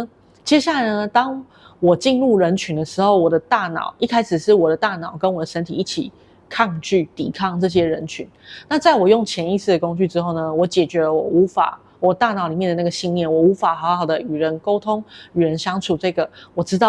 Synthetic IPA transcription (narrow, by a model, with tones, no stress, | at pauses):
t͡ɕjɛ˥ɕja˥˩a˧˦ɪnə˧t̪ɑ˥ŋ | wɔ˨˩t͡ɕi˥˧nɻu˥˩ɻə˧˥nt͡ɕʰy˧˥nd̪ə˧ʂɻ̩˧˥xo˥˩ʊwɔ˨˩d̪ə˦t̪a˥˩nɑ̰˨˩˦ʊi˥˧kʰa˥ɪʂɻ̩˨˩ʂɻ̩˥˩wɔ˨˩d̪ə˦t̪a˥˩nɑ˨˩ʊkə˦nwɔ˨˩d̪ə˩ʂə˥nt̪ʰi˨i˥˩t͡ɕʰḭ˨˩ | kʰɑ˥˧ŋt͡ɕy˥˩t̪ḭ˨˩kʰɑ˥˧ŋʈ͡ʂɤ˥˩ɕ̬jɛ˥ɻə˧˥nt͡ɕʰy̰˧˥˦nna˥˧t͡sa˥˩ɪwɔ˨˩jʊ˥˩ŋt͡ɕʰjɛ˧˥ni˥˧sɹ̩˥˩d̪ə˩ko˥ŋt͡ɕy˥˩ʈ͡ʂɻ̩˥xo˥˩ʊnə˩wɔ˧˦t͡ɕjɛ˨˩t͡ɕɥɛ˧˥lə˧wɔ˨˩u˧˥fa̰˨˩ | wɔ˨˩t̪a˥˩nɑ˨˧˥ʊli˨˩mjɛ˥˩nd̪ə˩na˥˩ɡə˩ɕi˥˧nljɛ˥˩nwɔ˨˩u˧˥fa˨˩xɑ˧˥˦xɑ˨˩ʊd̪ə˦y˨˩ɻə˧˦nko˥ʊt̪ʰo˥ŋy˨˩ɻə˧˦nɕjɑ˥ŋʈ͡ʂʰu˨˩ʈ͡ʂɤ˥˩ɡə˩wɔ˨˩ʈ͡ʂɻ̩˥t̪ɑ˥˨